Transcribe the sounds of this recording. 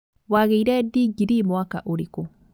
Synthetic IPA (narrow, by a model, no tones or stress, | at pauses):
waɣeiɾɛdiɡiɾimoaka̰ʔoɾeko